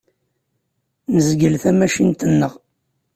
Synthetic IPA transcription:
nəzɡəlθæmæʃint̪ənːəʁ

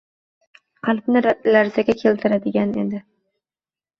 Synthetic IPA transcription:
qʰalpnɪlaɾzaɡʲakʲʰe̞lt̪ʰɪɾad̪ɪɡʲanḛd̪ɪ

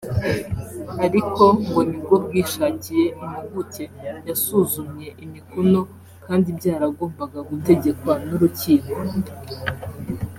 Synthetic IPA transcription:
aɾiko̞ŋɡomiɡobɡiːʃaːɲɟije̞muiɡute̞jasuzumɲe̞ʔimikuno̞ | kaːndibɟaːɾaɡo̞ːmbaɡaɡute̞ɟe̞kwanuɾuciːŋɡo

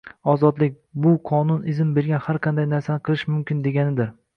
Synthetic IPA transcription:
ɒzɒd̪lɪk̚ʲbʊqʰɒnʊnɪzɪmbe̞ɾɡʲanhaɾqʰɑnd̪ajnaɾsanɪqʰɨlˠɪʃmʊmkʲɪnd̪e̞ɡʲanɪd̪ɪɾ

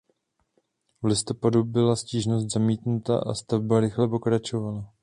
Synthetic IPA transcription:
vlɪst̪o̞padubɪlasciːʒno̞st̪zamiːt̪nut̪a̰ʔa̰st̪avbaɾɪxlɛpo̞kɾat͡ʃo̞vala

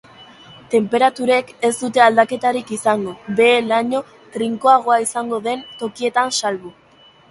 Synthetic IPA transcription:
t̪e̞mpe̞ɾat̪uɾe̞ke̞zd̪ut̪e̞ald̪ake̞t̪aɾikisaŋɡo̞βe̞ːlaɲo̞ | t̪ɾiŋko̞aɣ̞o̞aisaŋɡo̞ðe̞nt̪o̞kie̞t̪ansalβu

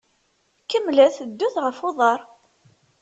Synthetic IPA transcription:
kəmːlæθəd̪ːʊθʁəfoðˤɑɾˤ

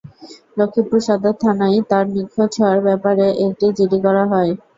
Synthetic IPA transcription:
lokʰːipuɾʃad̪ʱat̪ʰanajt̪aɾnikʰːot͡ɕʰeaɾbɛpaɾeʔek̚ʈid͡ʑiɾikɔɾaɦɔe

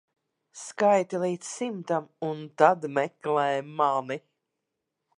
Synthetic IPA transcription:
skajt̪ilˠiːt̪ssimt̪amunt̪ad̪mɛklɛːjmani

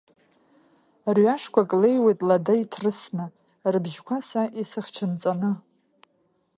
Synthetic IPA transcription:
rɥaʂkʷʰakʼlejwejtʼladaitʰrɨsnɨ | rɨbʒkʷʰasaʔisɨχt͡ʃʰɨnt͡sʼanɨ

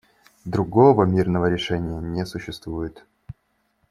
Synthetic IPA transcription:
d̪ɾʊɡovəmʲirnəvəɾʲɪʂɛnʲɪjənʲesʊɕːɪst̪vujɪt̪

